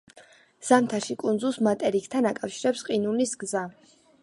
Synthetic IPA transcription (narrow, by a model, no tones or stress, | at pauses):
z̥amt̪ʰaʃikʼund̪zulˠsmat̪ʼɛɾikʰt̪ʰanakʼafʃiɾɛpsqʼinunisɡza